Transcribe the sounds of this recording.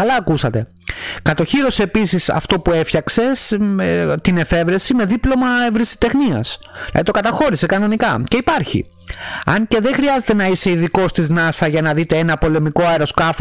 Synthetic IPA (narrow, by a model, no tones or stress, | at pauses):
ɐlɐːkusɐt̪e̞ | kɐt̪o̞çiɾo̞seːpisisɐ̰ft̪o̞pue̞fçɐkse̞s | t̪ine̞fe̞vɾe̞sime̞ðiplo̞mɐevɾisi̥t̪e̞xniɐ̰snɐ̰ðit̪o̞kɐt̪ɐxo̞ɾise̞kɐno̞nikɐce̞ipɐɾçḭ | ɐŋce̞ðe̞xɾiɐze̞t̪e̞nɐise̞iðiko̞st̪iznɐsɐʝɐnɐðit̪e̞enɐpo̞le̞miko̞ɐeɾo̞skɐf